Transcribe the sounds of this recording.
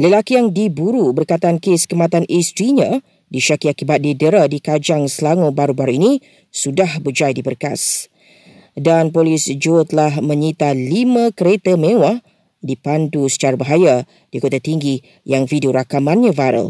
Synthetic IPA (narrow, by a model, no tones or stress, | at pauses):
ləlakijaŋdibuɾubərkat̪aankeskəmat̪anist̪ɾiɲã | diʃakiakibat̪̚didəɾadikad͡ʒaŋsəlaŋobaɾubaɾuinĩ | sudahbəd͡ʒajdibərka̰s | danpolisd͡ʒot̪əlahmə̃ɲit̪alimãkəɾet̪əmẽwah | dipandusə̥t͡ʃaɾabəɦaja | d̥ikot̪at̪iŋɡi | jaŋfideoɾakamãnɲãvaɾə̰l